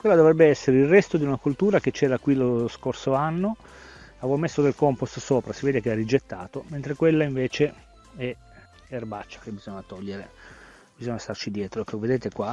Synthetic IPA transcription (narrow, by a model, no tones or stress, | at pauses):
kwelːad̪ovɾɛbːeɛsːeɾeilrɛst̪od̪iunakult̪uːɾak̟et͡ʃːɛːɾakwiloskorsoanːo | avomesːod̪elkɔmpust̪soːpɾasiveːd̪ekearːid͡ʒet̪ːaːt̪oment̪ɾekwelːaiɱveːt͡ʃe | ɛ | erbat͡ʃːḁkebːizoɲːat̪ɔʎːeɾe | bizoɲːast̪art͡ʃid̪jɛːt̪ɾoɛkːoved̪eːt̪ekwa